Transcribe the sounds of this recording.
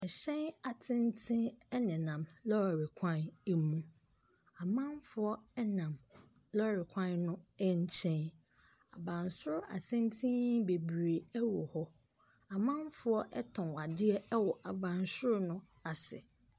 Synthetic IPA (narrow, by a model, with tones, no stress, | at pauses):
ɛ˨ɕɛ̃˦na˨tʰɪ̃˦n˦tʰɪ̃˦ɛ˦nɪ̃˨nã˨mlɔ˦˨ɾɪ˨kʷʰã˦nɛ˨mũ˦ | a˨mã˦m˦fʊ˨ɔ˦ɛ˦nã˨m | lɔ˦ɾɪ˨kʷʰã˦nnʊ̃˦ɛ˦ɲ˦t͡ɕʰɛ̃˦n | a̰˨bã˨nsʊ˦ɾʊ˦ʔa̰˨sɪ̃˦n˦tʰĩ˦be˨bɾe˨ɛ˦wʊ̰˨hɔ˦ | a˨mã˦m˦fʊ˦ɔ˦ʔɛ˦tʰɔ̃˨a˨dɪ˦ɛ˦ɛ˦wɔ˨ʔa˨bã˨nsʊ˦ɾʊ˦nʊ̃˦ | a˨sɪ̰˨